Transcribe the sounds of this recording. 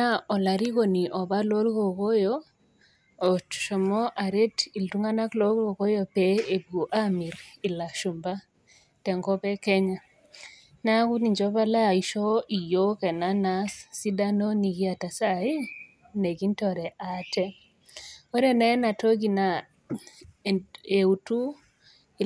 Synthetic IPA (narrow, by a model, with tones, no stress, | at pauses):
na˦ɔ˨la˨ɾi˦ko˨ni˨ʔɔ˨ba˦lo˦lko˨ko˦jo | o˨tʃɔ˨mɔ˦ʔa˨ɾe˦ti˨ltu˦ŋa˦na˦klo˦ɡo˨ko˦jo˦pe˦e˨ɡu˨ʔa˦mi˨ɾi˨la˨ʃu˨mba˦ | tɛ˨ŋɡɔ˦pɛ˦kɛ˦ɲa˦ | na˦ku˦ni˨ɲd͡ʒɔ˦ba˦la˦˨iʃɔ˦ʔi˨jo˦kɛ˨na˦nassi˦da˦no˦ni˨ɡi˦a˨ta˨sa˦i˦ | ne˨ɡi˦ntɔ˨ɾɛ˨ʔatɛ˦ | ɔ˦ɾɛ˦nɛ˦na˨to˦ɡi˨na | e˨u˨tu˦˨